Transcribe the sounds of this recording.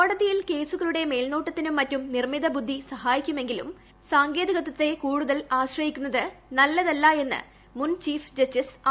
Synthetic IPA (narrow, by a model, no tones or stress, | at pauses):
koɽɐðijilke̞ːsuɣɐɭuɽe̞me̞ːlnoːʈːɐt̪ːinumːɐtːumnirmiðɐbud̪ʱːisɐhaːjikʲːume̞ŋɡilṵm | saːŋɡe̞ːd̪iɣɐt̪ːɐt̪ːe̞kuːɽuðɐlaːɕrɐjikʲːunːɐðɨnɐlːɐðɐlːaːe̞nːɨ̰ | munt͡ɕiːfd͡ʑɐstis